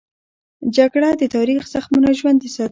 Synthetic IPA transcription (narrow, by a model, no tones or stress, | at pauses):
d͡ʒaɡɽad̪ət̪ɑɾixz̥axmunaʒwand̪əsɑ